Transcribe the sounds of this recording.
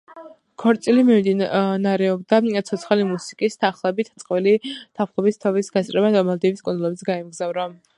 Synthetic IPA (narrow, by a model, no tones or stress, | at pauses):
kʰɔɾt̪sʼilimimd̪inaɾɛɔbd̪at̪sʰɔt̪sʰχalimusi̥kʼist̪ʰaχlˠɛbit̪ʰt̪sʼqʼvilit̪ʰafχlˠɔbist̪ʰɔvisɡast̪ʼɾɛbad̪ɔmɛlˠd̪ibiskʼund̪ulˠɔbit̪sʰɡaimɡzavɾa